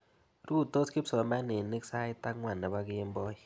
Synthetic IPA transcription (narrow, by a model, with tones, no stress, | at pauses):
ɾu˦˨to˦ski˦psɔ˨˦ma˦ne˨nːi˦ksa˦ɪ˦ta˦kŋwa˨nːɛ˨ba˦kɪ˦mbɔ˦ji˨